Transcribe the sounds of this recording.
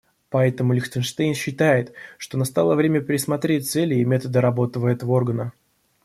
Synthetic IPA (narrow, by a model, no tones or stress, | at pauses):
pɐɛt̪əmʊlʲɪxt̪ʲɪnʂt̪ejnɕːɪt̪ajɪt̪ʂt̪o̞nɐst̪alˠəvɾʲemʲəpʲɾʲɪsmɐt̪ɾʲet̚ʲt̪sɛlʲɪmʲet̪əd̪əɾɐbo̞t̪əvəɛt̪əvəo̞rɡənə